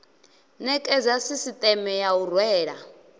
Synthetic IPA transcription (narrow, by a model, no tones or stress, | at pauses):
nɛkʼɛd͡zasisit̪ʼɛmɛjaurwɛːɺa